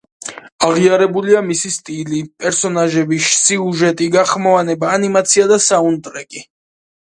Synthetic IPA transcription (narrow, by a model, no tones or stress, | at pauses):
aʁiaɾɛbuliamisist̪ʼilipʼɛɾsɔnaʒɛbiʃsiuʒɛt̪ʼiɡaχmɔvanɛbaːnimat̪sʰiad̪asaunt̪ʼɾɛkʼi